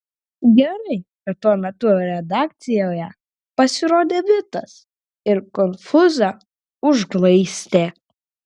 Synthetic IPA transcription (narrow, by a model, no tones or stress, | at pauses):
ɡʲɛɾɐɪkɐt̪tuɔmʲɛt̪uɾʲɛd̪ɑːk̚t̪sʲɪjoːjɛ | pɐsʲɪɾoːd̪ʲeːʋʲɪt̪ɐs | ɪɾkɔnfʊzɑ | ʊʒɡlˠɐɪsʲt̪ʲeː